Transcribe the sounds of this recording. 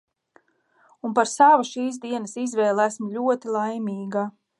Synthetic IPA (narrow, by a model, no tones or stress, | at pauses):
unpaɾsavaʃiːsd̪iɛnəsizvɛːlˠæsmlʲuɔt̪ilˠajmʲiːɡa